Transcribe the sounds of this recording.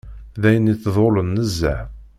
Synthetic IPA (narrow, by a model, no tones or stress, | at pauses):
ðæjənːiθðˤolənːəzːæʕ